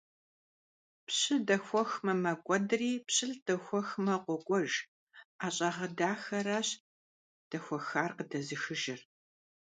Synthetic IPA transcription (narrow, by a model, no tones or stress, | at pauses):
pɕɨdɐxʷɔxmɐmɐkʷʼɔdriːpɕɪɬd̥ɐxʷɔxmɐqʷɔɡʷʼɔʒ | aːɕʼɐʁɐdaːxɐɾaːɕ | d̥ɐxʷɔxaːrqədɐzɨxɨʒɪr